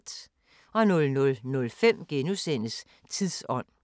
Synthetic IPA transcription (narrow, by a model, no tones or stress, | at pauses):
d̥ | ɒ̽nɔ̽lnɔ̽lnɔ̽lfem̰ɡ̥enusen̰əs | t͡sʰið̰ˠsɒ̽n̰